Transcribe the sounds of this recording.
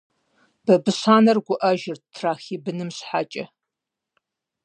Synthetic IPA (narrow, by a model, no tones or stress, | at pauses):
b̥ɐbɨɕaːnɐrɡʷʊʔɐʒɪrtʰraːxiːbɨnɨmɕħa̰ːt͡ʃʼɐ